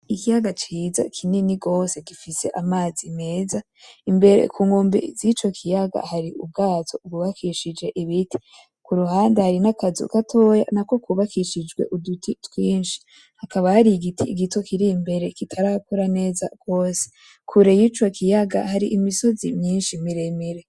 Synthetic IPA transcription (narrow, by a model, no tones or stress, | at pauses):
ikijaɡat͡ʃiːza̰kʰininiɡo̞ːse̞ɡifise̞̰ʔamaːzime̞ːza | imbe̞ɾḛkuːŋɡo̞ːmbezit͡ʃo̞kʰijaɡa̰haɾiṵb̚ɡaːtʰobɡuβakʰiʃid͡ʒe̞ʔiβitʰi̥ | kuɾuhaːndehaɾinakazṵkatʰo̞ja̰nako̞kwuβakʰiʃid͡ʒɡwe̞̰ʔudutʰitwiːnʃi̥ | hakaβahaɾiɡitʰiɡito̞kʰiɾimbe̞ɾe̞kitʰaɾakoɾane̞ːza̰ɡ̥o̞ːse̥ | kʰuɾejit͡ʃo̞kʰijaɡa̰haɾiʔimiso̞zḭmɲiːnʃimiɾemiɾe